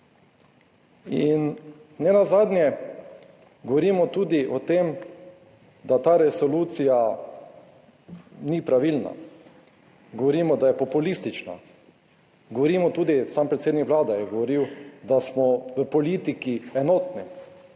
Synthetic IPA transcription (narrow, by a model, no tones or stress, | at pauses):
in | nɛnazaːd̪nʲjɛ | ɡɔʋɔɾiːmɔt̪uːd̪iʔɔt̪eːm | d̪at̪aːɾɛsɔluːt̪sija | nipɾaʋilna̰ | ɡɔʋɔɾiːmɔd̪ajɛpɔpulist̪it͡ʃna̰ | ɡɔʋɔɾiːmɔt̪uːd̪isampɾɛt̪seːd̪nikʋlaːd̪ajɛɡɔʋɔɾiwd̪asmɔʋəpɔliːt̪ikiɛnɔːt̪ni